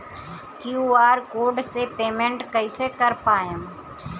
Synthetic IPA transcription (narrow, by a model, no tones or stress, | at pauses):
kjuːaːɾkoːɖsepeːmẽɳʈkəɪsekəɾpaːjẽ